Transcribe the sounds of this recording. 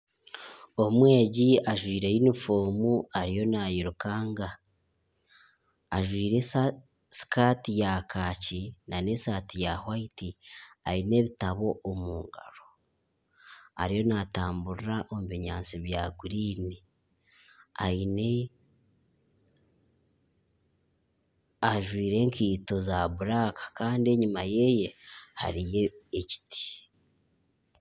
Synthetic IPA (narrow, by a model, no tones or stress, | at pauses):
omwe̞ːɟiaʒwiːɾe̞jinifo̞ːmuaɾijo̞najiɾukaːŋɡa | ʒwiːɾe̞ | si̥kʰaːtijakaːcinane̞saːtijahwaitiaineːβitaβo̞ːmuːŋɡaɾo̞ | a̰ɾijo̞naːtaːmbuɾɾaʔo̞muβiɲaːnt͡siβjaːɡuɾiːni | a̰ine̞ | aʒwiːɾe̞ːŋkiːto̞zaβuɾaːkḁkaːndie̞ɲumaje̞je̞ha̰ɾije̞ːci̥ti̥